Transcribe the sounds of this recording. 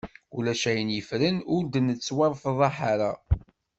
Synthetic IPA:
ulæʃæjənjəfɾənʊɾd̪ənət͡sːwɑɾˤfəðˤɑħaɾa

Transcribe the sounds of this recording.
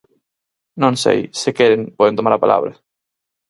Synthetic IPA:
nõŋsḛjsekɛɾeŋpɔðent̪omaɾapala̰βɾɐ

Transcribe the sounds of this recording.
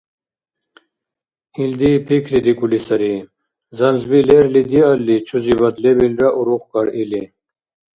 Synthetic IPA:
ild̪ipʰikʰlid̪ikulisɐɾi | zɐnzbileɾlid̪ialːit͡ʃʰuzibɐd̪lebilɾaʔuɾuχkaɾili

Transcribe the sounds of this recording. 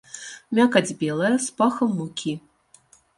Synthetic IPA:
mʲakad͡zʲbʲɛlˠɐjɐspaxɐmːukʲʰi

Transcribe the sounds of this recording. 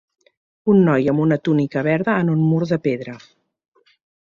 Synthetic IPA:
unːɔjəmunət̪unikəβɛɾðəːnunmuɾðəpeðɾə

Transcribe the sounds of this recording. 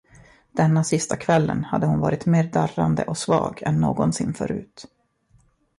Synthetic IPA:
d̪̥ɛnːasɪst̪ʰakʰvɛlːənhad̪ːəhʊnvɑːɾɪt̪meːɖ̪arand̪ə̰ʔɔsvɑːɡɛnːoːɡɔnsɪnːfœ̰ɾʉ̟ːt̪

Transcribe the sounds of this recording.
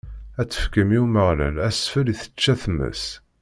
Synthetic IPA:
æt͡sːə̥fkəmiuməʁlæ̰læsfəliθə̥t͡ʃːæθmːə̰s

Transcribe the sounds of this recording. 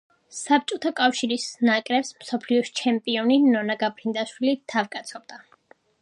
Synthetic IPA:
sap̚t͡ʃʼɔt̪ʰakʼafʃiɾisnakʼɾɛpsmsɔpʰliɔʃt͡ʃʰɛmpʼiɔninɔnaɡapʰɾind̪aʃwilit̪ʰavkʼat̪sʰɔb̚d̪a

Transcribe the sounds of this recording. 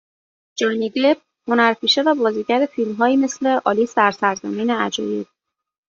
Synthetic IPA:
d͡ʒɒːniɡeb̚ | honæɾpʰiːʃe̞væbɒːziːɟæɾefiːlmɦɒːjiːme̞sleʔɒːliːsæɾsæɾzæmiːneæd͡ʒɒ̰ːjiːd

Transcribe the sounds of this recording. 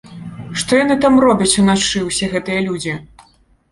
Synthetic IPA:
ʂt̪ɔjanɨt̪amrɔbʲɐt͡sʲunat͡ʂɨwsʲɛɣɛt̪ɨjɐlʲud͡zʲi

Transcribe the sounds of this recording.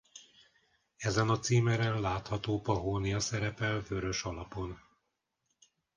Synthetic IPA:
ɛzɛnɒt̪siːmɛɾɛnlaːt̪hɒt̪oːpɒɦoːnijɒsɛɾɛpɛlvø̞ɾø̞ʃɒlɒpo̞n

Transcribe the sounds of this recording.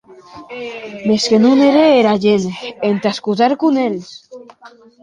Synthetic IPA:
meskenuneɾeeɾaʎeneent̪askut̪aɾkunel

